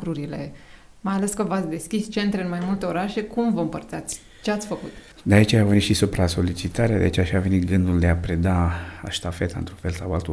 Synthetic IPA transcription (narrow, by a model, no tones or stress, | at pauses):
kɾuɾile̞ | majale̞skəvat̪sʲd̪e̞skʲist͡ʃe̞nt̪ɾeɨnmajmult̪e̞o̞ɾaʃe̞kumvəɨmpərt̪sat̪sʲ | t͡ʃeat̪sʲfəkut̪ | d̪eait͡ʃeavenit̪ʃisupɾaso̞lit͡ʃit̪aɾead̪ea̰it͡ʃeaiʃave̞nit̪ɡɨnd̪uld̪eapɾed̪aa̰ʃt̪afet̪aɨ̰nt̪ɾufelsawalt̪